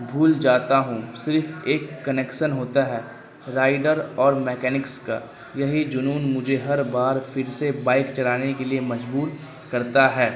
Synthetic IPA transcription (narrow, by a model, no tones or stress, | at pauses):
bʱuːld͡ʒaːt̪aɦũsɪɾfeːkːɐneːkʃənɦoːt̪aɦɛː | ɾaːɪɖəɾɔːɾmɛːkɛːnɪkska̰ | jɐɦid͡ʒʊnuːnmʊd͡ʒʱeɦɐɾbaːɾfɪɾsebaːɪkt͡ʃɐlaːnekeliemɐd͡ʒbuːɾ | kɐɾt̪aɦɛː